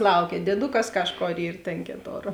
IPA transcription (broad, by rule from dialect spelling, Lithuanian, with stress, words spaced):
ˈlˠɐʊkʲɛ dʲiɛˈdʊkɐs ˈkɑːʃˌkoːr ˈiːr tʲeːn ˈkʲeːˌtoːr